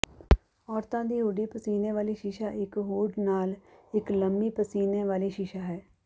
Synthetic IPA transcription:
ɔːɾt̪ãːd̪iːɦuːɖiːpəsiːnẽːʋaːliːʃɪʃaːʔɪkɦuːɖnaːlɪkləmbiːpəsiːneːʋaːliːʃɪʃaːɦɛː

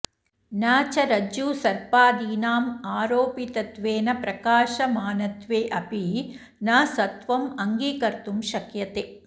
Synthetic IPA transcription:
naːt͡ʃɐɾɐd͡ʒuːsɐɾpaːd̪iːnaːmaːɾoːpit̪ɐt̪ʋeːnɐpɾɐkaːʃɐmaːnɐt̪ʋeːʔɐpi | naːsɐt̪ʋɐmɐŋɡiːkɐɾt̪umʃɐkjɐt̪eː

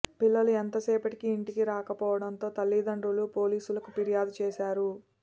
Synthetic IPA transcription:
pilːɐluent̪ɐsɛːpɐʈikiːɳʈikiɾaːkɐpɔːʋɐɽɐnt̪o̞ːt̪ɐlːid̪ɐɳɖɾulupo̞ːliːsulɐkupiɾijaːd̪ut͡ʃɛːʃaːɾu

